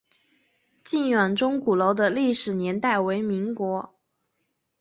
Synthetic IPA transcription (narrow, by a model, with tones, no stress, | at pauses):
t͡ɕi˥˩nɥa˨˩nʈ͡ʂʊ˥ŋku˨˩lo˧˥ʊd̪ə˧li˥˩ʂɻ̩˨˩njɛ˧˥nt̪a˥˩ɪwe˧˥ɪmi˧˥ŋkwɔ˧˥